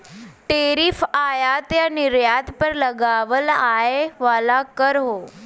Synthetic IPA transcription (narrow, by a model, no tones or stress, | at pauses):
ʈeːɾifaːjat̪janɪɾjaːt̪pəɾləɡaːʋəlaːeʋalakəɾɦoː